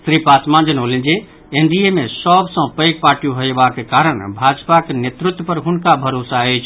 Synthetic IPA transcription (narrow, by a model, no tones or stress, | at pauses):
sɾipat̪mãd͡ʒənolĩnd͡ʒe | enɖijemesɔbsə̃pəjɡ̚paɾʈijũɦoebakekaɾəɽ̃bʱad͡ʒpakenet̪ɾut̪wəpəɾɦunkabʱəɾosaəjt͡ʃʰ